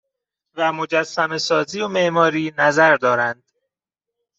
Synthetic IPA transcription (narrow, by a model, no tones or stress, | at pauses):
væmo̞d͡ʒæsːæme̞sɒːziːomeʔmɒːɾiːnæzæɾd̪ɒːɾænd̪̥